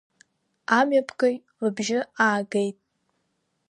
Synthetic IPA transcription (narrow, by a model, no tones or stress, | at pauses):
amɥapʰkʼoj | lɨbʒɪaːɡejtʼ